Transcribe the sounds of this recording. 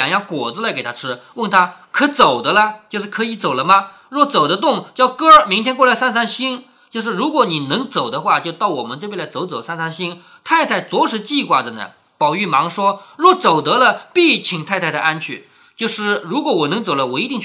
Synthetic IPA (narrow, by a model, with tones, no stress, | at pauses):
ŋjɑ˥˩ŋkwɔ˨˩d͡zɹ̩˥˧la˧˥ɪke˨˩ɪt̪ʰa˥ʈ͡ʂʰɻ̩˥wə˥˩nt̪ʰa˥kʰɤ˧˥t͡so˨˩ʊd̪ə˦lə˧t͡ɕjo˥˧ʊʂɻ̩˥˩kʰɤ˧˥i˧˥t͡so˨˩ʊlə˦mɐ˧ | ɻwɔ˥˩t͡so˨˩ʊd̪ə˦t̪̬ʊ˥˩ŋt͡ɕjɑ˥˩ʊkɤ˥mi˧˥ŋt̪ʰjɛ˥nkwɔ˥˩la˧˥ɪsa˥˧nsa˥nɕi˥n | t͡ɕjo˥˧ʊʂ̬ɻ̩˥˩ɻu˧˥kwɔ˧˥ni˨˩nɤ˧˥ŋt͡so˨˩ʊd̪ə˦xwa˥˧t͡ɕjo˥˧ʊt̪ɑ˥˩ʊwɔ˨˩mə˦nt͡sɤ˥˧pe˥˩la˧˥ɪt͡so˧˥ʊt͡so˨˩ʊsa˥˧nsa˥nɕi˥n | t̪ʰa˥˧ɪt̪ʰa˥˩ɪt͡swɔ˧˥ʂɻ̩˧˥t͡ɕi˥˧kwa˥˩də˩nə̰˧˩ | pɑ˨˩ʊy˥˩mɑ˧˥ŋʂwɔ˥ɻwɔ˥˩t͡so˨˩ʊt̪ɤ˧˥lə˧pi˥˩t͡ɕʰi˧˨˩ŋt̪ʰa˥˧ɪa˥˩ɪd̪ə˩˧ʔa˥nt͡ɕʰy̰˥˩ | t͡ɕjo˥˧ʊʂɻ̩˥˩ɻu˧˥kwɔ˧˥wɔ˨˩nɤ˧˥ŋt͡so˨˩ʊlə˦wɔ˨˩i˧˥t̪i˥˧ŋt͡ɕʰ